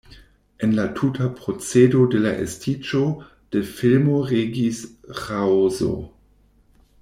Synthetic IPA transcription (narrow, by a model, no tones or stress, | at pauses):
enlatʰutʰapʁo̞t͡sedodelaʔḛstʰid͡ʒo | d̥efilmoʁeɡisʁawzo̰